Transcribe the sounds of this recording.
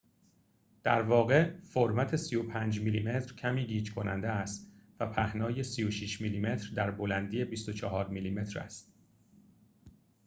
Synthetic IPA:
d̪̥æɾvɒːɣe̞foɾmæt̪ʰe̞sijopʰæːnd͡ʒmilime̞t̪ɾ̥cʰæmiːɟiːt͡ʃkʰo̞næ̰nd̪eæst̪væpʰæhnɒːje̞sijoʃiʃmiliːme̞t̪ʰɾd̪æɾbolænd̪iːe̞bist̪ot͡ʃʰɒɦɒːɾmiliːme̞t̪ʰɾæ̰st̪

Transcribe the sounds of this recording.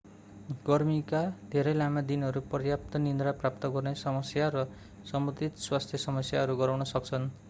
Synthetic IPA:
ɡ̥ʌrmikad̪ʱeɾʌjlamad̪inʌɾupʌrjap̚t̪ʌnind̪ɾaprap̚t̪ʌɡʌrnesʌmʌsjaɾʌ | sʌmut̪it̪swast̪ʰjʌsʌmʌsjaɦʌɾuɡʌɾawnʌsʌk̚t͡sʰʌn

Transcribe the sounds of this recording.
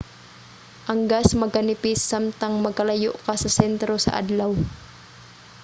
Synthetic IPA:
ʔɐŋɡasmɐɡɐnɪpɪsːamt̪aŋmɐɡɐlɐjoʔkasɐsɛnt̪ɾosɐ̰ʔa̰d̪law

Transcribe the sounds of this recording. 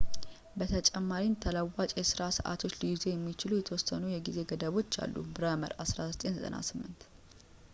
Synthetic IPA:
bət̪ʰət͡ʃʼɛmːaɾimt̪ʰələwːat͡ʃʼjɛsɨɾasəʔa̰t̪ʰo̞t͡ʃːliɡze̞jɛmːit͡ʃɪlujɛt̪ʰəwɔsːənujɛɡize̞ɡəd̪əβo̞t͡ʃːa̰lːṵbɨɾəmə̰ɾasɾazɨt̪ʼe̞nzʼə̰na̰sɨmːɨnt̪

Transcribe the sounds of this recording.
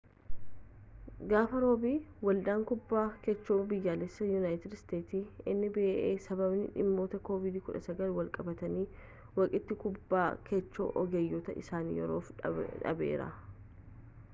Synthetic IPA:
ɡaːfɐɾo̞ːbiːwɐlᶑaːŋkʊbːaːkɛt͡ʃːoːbɪjːaːlɛsːɐjunaːjɪt̪ɪdst̪eːt̪iːɪnːɪbeːʔeːsɐbɐbnɪ̰ᶑɪ̰mːo̞ːt̪ɐko̞ːvɪd̪iːkʊᶑɐsɐɡɐlwɐlkʼɐbɐt̪ɐniː | wɐkʼɪt̪ːɪkʊbːaːkʰɛt͡ʃːo̰ːʔɔɡɛjːoːt̪ɐ̰ʔɪ̰saːnjɛɾoːfᶑɐ̰be̞̰ːɾɐ̰

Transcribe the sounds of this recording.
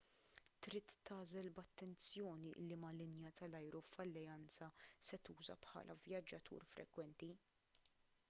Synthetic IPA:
t̪ɾiːt̪ːɐːzɛlbɐt̪ːɛnt͡sjɔːniʔɪ̰lːimɐlɪnjɐt̪ɐlɐjɾufɐlːɛjɐnt͡sɐsɛt̪uːzɐ̰pħɐ̰ːlʔɐvjɐd͡ʒːɐt̪ʰṵːɾfɾʔɛ̰kwɛnt̪i

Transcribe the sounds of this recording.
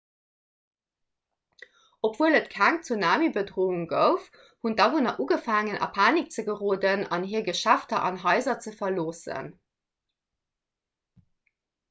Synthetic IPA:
opv̥uələtkʰæŋt͡sunaːmibədʁoːuŋɡəʊf | hundɑvunɐʔuːɡəfaːŋənʔɑ̰pʰaːnik̚t͡səɡəʁoːdənɑnɦiːɐɡəʃæftɐʔɑ̰nɦɑɪzɐt͡səfɐloːsə̰n

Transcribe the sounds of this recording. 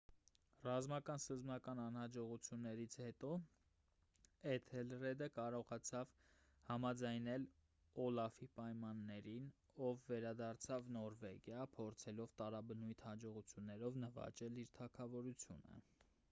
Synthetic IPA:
rɑzmɑkɑnsəzmɑkɑnɑnhɑd͡ʒɔʁut͡sʰjunːɛɾit͡sʰhɛt̪ɔ | ɛt̪ʰɛlrɛd̪əkɑɾɔʁɑt͡sʰɑv | hɑmɑd͡zɑjnɛl | ɔlɑfipɑjmɑnːɛɾin | ɔvːɛɾɑd̪ɑrt͡sʰɑvnɔɾvɛɡjɑpʰɔɾt͡sʰɛlɔvt̪ɑɾɑbənujt̪ʰhɑd͡ʒɔʁut͡sʰjunːɛɾɔvnəvɑ̰t͡ʃɛliɾt̪ʰɑkʰɑvɔɾut͡sʰjṵnə̰

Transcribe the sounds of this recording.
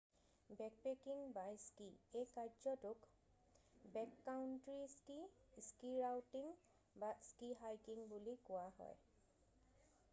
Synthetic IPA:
bɛk̚pekiŋbajskiejkaɹzɔtʊk | bɛkːawʊntɹiskiskiɹawtiŋ | baskiɦajkiŋbulikʊwahɔ̰j

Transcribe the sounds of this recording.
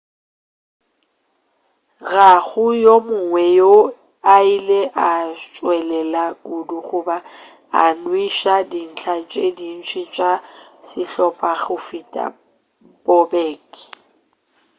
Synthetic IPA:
ɣaɣʊjomʊŋwɛjo | aileʔat͡ʃʼwɛlɛlakʼuduɣʊba | a̰nwiʃadin̩t͡ɬʰat͡ʃʼedin̩t͡ʃʰʼit͡ʃʼasɪɬɔpʼaɣʊfitʼa̰ | bɔbɛːkʼ

